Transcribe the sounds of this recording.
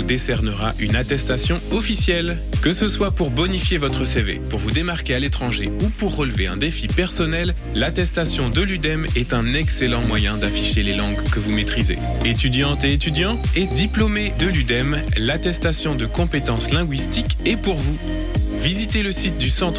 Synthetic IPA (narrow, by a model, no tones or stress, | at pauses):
ud̪esɛʁnəʁaʔynat̪ɛst̪asjɔ̃ɔfisjɛl | kəsəswapuʁbɔnifjevɔt̪χəsevḛpuʁvud̪emaʁkʲealet̪χɑ̃ʒeupuʁːəlveɛ̰̃d̪efipɛʁsɔnɛlː | at̪ɛst̪asjɔ̃d̪əlyd̪ɛmɛt̪ɛ̃nɛkselɑ̃mwajɛ̃d̪afiʃelelɑ̃ɡkəvumet̪χizḛ | et̪yd̪jɑ̃t̪eet̪yd̪jɑ̃ed̪iplomed̪əlyd̪ɛmlat̪ɛst̪asjɔ̃d̪əkɔ̃pet̪ɑ̃slɛ̃ɡwist̪ikepuʁvu | vizit̪eləsit̪̚d̪ysɑ̃t̪